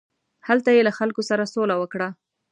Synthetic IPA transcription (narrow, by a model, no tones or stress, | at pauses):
halt̪ajelaxalkosaɾasolawəkɽa